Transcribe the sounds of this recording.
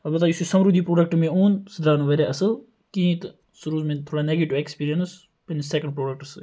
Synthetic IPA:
ɐbɐt̪̬aːjisisɐmɾuːd̪iːpɾoːɖək̚ʈmẽːoːnsəd̪ɾaːnuʋeːɾaɐsəl | kĩːt̪ | suɾuːzmẽːt̪ʰoːɽaːneːɡeʈiʋekspiːɾijəns | pensɛkə̃ɳɖpɾoːɖək̚ʈsɨ

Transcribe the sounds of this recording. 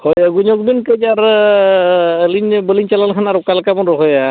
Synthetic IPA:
hɔjjaɡuɲɔk̚binkejd͡ʒaɾ | linbɔlint͡ʃalankʰanaɾʊkalkamɔnɾɔɦɔja

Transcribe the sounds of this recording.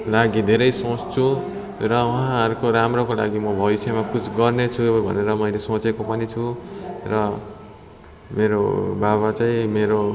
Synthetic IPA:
laɡid̪ʱeɾʌjsõt͡st͡sʰu | ɾʌuɦãɦʌɾukoɾamrokola̰ɡimʌbʱʌbisemakut͡sʰɡʌrnet͡sʰubʱʌ̰neɾʌmʌjlesõt͡sekopʌnit͡sʰurʌ | meɾo̰baβat͡saĩmeɾo

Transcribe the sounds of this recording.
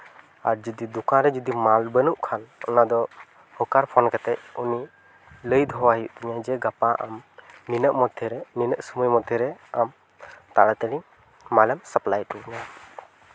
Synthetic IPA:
aɾd͡ʒɔd̪id̪ukãnɾɛd͡ʒɔd̪imalbənuʔkʰanɔ̰nad̪ɔ | hɔkaɾpʰɔnkat̪ɛʔ̚uni | ləjd̪ɦɔwaɦiuʔt̪ɛɲad͡ʒɛɡapaʔa̰mninəʔmɔd̪ʱjɛɾɛninəʔsuməjmɔd̪ʱjɛɾɛam | t̪aɽat̪əɽiŋ | malɛmsəplajt̪it̪ɛɲa

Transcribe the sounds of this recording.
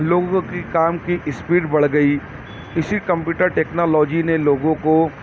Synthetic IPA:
loːɡõkikaːmkiʔɪspiːʈbɐɽɡɐi | ɪsikɐ̃mpjuːʈəɾʈeːknɔːlɔːd͡ʒineloːɡõko

